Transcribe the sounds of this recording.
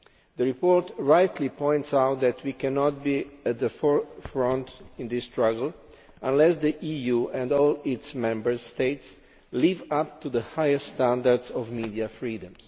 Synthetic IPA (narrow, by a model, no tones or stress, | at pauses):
d̪əɹipɔɹt̪ɹajt̪lipɔ̃j̃nt̪sawt̪̚d̪ɛt̪ʰwikɛnɔt̪̚biæt̪̚d̪əfɔɹfɹɔ̃nt̪ĩnd̪ist̪ɹaɡəl | ãnlɛsd̪əʔijuɛ̃nd̪ɔlɪt̪smɛ̃mbəɹst̪eɪt̪s | livap̚t̪ud̪əhajɛsst̪ãnd̪aɾd̪sɔvmid̪iafɹiːd̪ə̃ms